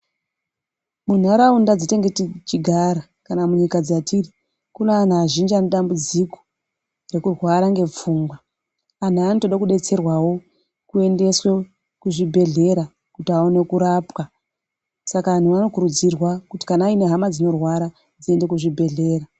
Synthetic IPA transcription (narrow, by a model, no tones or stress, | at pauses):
mun̤aɾaundad͡ziteŋɡetit͡ʃiɡʱaɾa | kanamuɲikad͡zatʰiri | kunean̤aːʒind͡ʒaneɗambud͡ziko̥ | re̞kurwaɾaŋɡe̞p͡fuːŋɡwa | an̤aanotoɗakuɗe̞t͡se̞rwawo̞ | kue̞nde̞swe | kuʐibʱe̞ɮe̞ɾa | kutiaone̞kuɾapwa | sakan̤uʋano̞kuɾud͡zirwakuti̥kanaine̞ɦamad͡zino̞rwaɾa | d͡zie̞nde̞kuʐibʱe̞ɮe̞ːɾa